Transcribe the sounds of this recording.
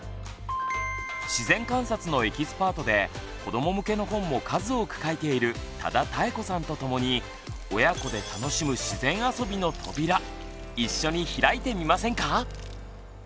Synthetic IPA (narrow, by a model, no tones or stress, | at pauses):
ɕizẽ̞ŋkãɰ̃sat͡sɨno̞e̞kʲisɨ̥paːt̪o̞d̪e̞ | ko̞d̪o̞mo̞mɯ̟ke̞no̞ɦõ̞mːo̞kʰazɨo̞kɯ̟̥kaet̪e̞iɾɯ̟ | t̪a̰d̪at̪aeko̞sãnt̪o̞t̪o̞mo̞ɲ̟i | o̞jako̞d̪e̞t̪ano̞ɕimɯ̟ɕizẽ̞ɰ̃aso̞bʲino̞t̪ʰo̞̰bʲiɾa | iɕːo̞ɲ̟içiɾait̪e̞mʲimasẽ̞ŋka